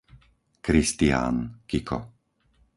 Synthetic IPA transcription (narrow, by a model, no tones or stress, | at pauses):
kɾist̪ia̰ːnkikʰɔ̰